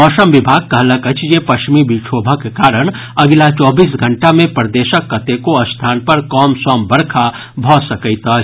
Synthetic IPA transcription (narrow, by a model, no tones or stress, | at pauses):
ɔːʃəmʋɪbʱaːɡ̚kɐɦlɐkɐt͡ʃjepɐʃmibit͡ʃʰoːbʱəkekaːɾəɽ̃ | ɐɡlat͡ʃɔːbiːs̬ɡʱɐ̃ɳʈamẽpɾd̪eːʃəkːɐt̪ekoɐst̪ʰaːnpɐɾkɔːmsɔːmbɐɾkʰa | bʱɔːsɐkəɪt̪a